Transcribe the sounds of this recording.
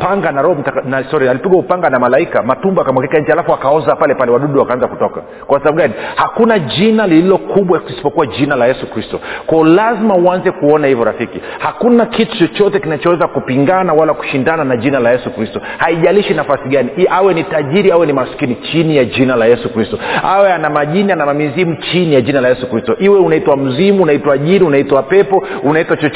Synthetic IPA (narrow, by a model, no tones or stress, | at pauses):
paŋɡanaɾɔhɔm̩takanaistɔɾiaalipiɡwaupaŋɡanamalaikamatumbaakamwakikaɲ̩d͡ʒɛalafuakaɔzapalɛpalɛwaɗuɗuwakaanzakutɔka̰ | kwasabaɓuɡanihakunaʄinalililɔkuɓwakisi̥pɔkuwaʄinalajɛsukɾistɔkwɔɔlazimauanzɛkuɔnahivɔɾafikihakunakitu̥t͡ʃɔt͡ʃɔtɛkinat͡ʃɔwɛzakupiŋɡanawalaku̥ʃindananaʄinalajɛsukɾistɔhaiʄaliʃinafasiɠaniʔawɛnitaʄiɾiawɛnimaskinit͡ʃinijaʄinalajɛsukɾistɔawɛanamaʄinianamamizimut͡ʃinijad͡ʒinalajɛsukɾistɔʔiwɛunaitwam̩zimuːnaitwaːʄiɾiunaitwawapɛpɔunaitwat͡ʃɔ